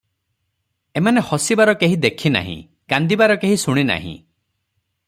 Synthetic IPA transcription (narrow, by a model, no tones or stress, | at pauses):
emanehɔsibaɾɔkeɦid̪ekʰina̰ɦḭ̃ | kand̪ibaɾɔkeɦisuɽ̃ina̰ɦḭ̃